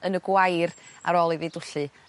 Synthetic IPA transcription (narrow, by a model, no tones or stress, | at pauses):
ənəɡwajra̰ɾoːlˠiviːdʊɬɨ